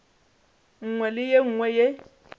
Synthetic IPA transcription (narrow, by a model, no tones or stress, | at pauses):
ŋ̩ŋwɛlɪjeŋ̩ŋwɛje